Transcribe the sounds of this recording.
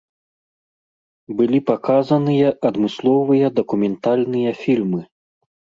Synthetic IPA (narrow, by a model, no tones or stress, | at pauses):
bɨlʲipakazɐnɨjɐʔɐd̪mɨslˠɔvɨjɐd̪ɐkumʲɛnt̪alʲnɨjɐfʲilʲmɨ